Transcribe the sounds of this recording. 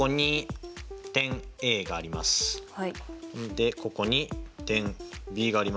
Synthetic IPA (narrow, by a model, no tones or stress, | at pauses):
oɲ̟i | t̪ẽ̞ŋe̞ːɡaːɾʲimasɨ̥h | d̪e̞ko̞ko̞ɲ̟it̪ẽ̞ŋbʲiːɡaːɾʲim